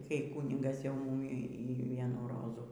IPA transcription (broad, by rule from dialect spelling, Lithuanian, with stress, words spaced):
kɐɪ ˈkuːnʲɪɡɐs jɛʊ ˈmuːmʲɪ iː ˈʋʲiɛnuː ˈroːzuː